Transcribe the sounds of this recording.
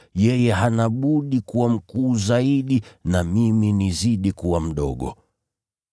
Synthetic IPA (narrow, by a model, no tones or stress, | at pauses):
jɛjɛɦanaɓuɗikuwam̩kuːzaiɗinamiminiziɗikuwam̩ɗɔ̰ɠɔ̰